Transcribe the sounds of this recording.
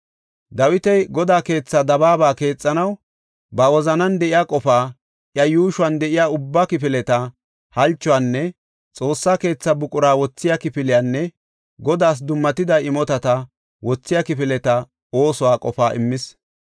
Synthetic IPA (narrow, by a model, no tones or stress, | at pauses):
d̪ɐwɪt̪ɛjɡɔd̪aːke̞ːt͡sːɐd̪ɐbaːbaːke̞ːt͡sʼːɐnɐw | bɐwɔzɐnɐnd̪ɛʔɪjaːkʼɔfaː | ʔjɐjuːʃʊɐnd̪ɛʔɪjaːʊbːakɪpɪlɛt̪ɐ | hɐlt͡ʃːɔwaːnːɛ | t͡sʼo̞ːsːaːke̞ːt͡sːɐbʊkʼʊɾaːwɔt͡sːɪjakɪfɪlɪjanːɛ | ɡɔd̪aːs̬d̪ʊmːɐt̪ɪd̪ɐɪmɔt̪ɐt̪ɐ | wɔt͡sːɪjakɪpɪlɛt̪ɐ | o̞ːsɔwaːkʼɔfaːʔɪmːɪs